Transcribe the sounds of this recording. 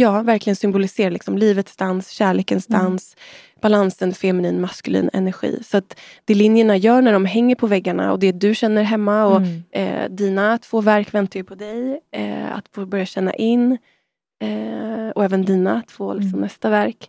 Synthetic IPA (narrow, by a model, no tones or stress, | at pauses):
jɑːvæɾklɪɡənsʏmbʊlɪseːɾalɪksɔmliːvət̪sd̪ansɕæːɭeːkənsd̪ans | b̥alansənfɛmɪniːnmaskɵlḭːnɛ̰næɾɧḭːsɔat̪d̪̥ɛlɪnjəɳajœːɳæɖɔmɦɛŋːəɾpʰɔvɛɡːaɳa̰ɔ̰d̪ɛd̪ɵɕɛnːəɾɦɛmːaɔ̰ | d̪iːnat̪ʰv̥oːvæɾkvɛnt̪ajʏpʰɔd̪ɛj̰ | a̰t̪fobœɾjaɕɛnːa̰ʔɪnː | ɔɛːvənd̪iːnat̪ʰv̥oːlɪksɔmnɛst̪avæɾk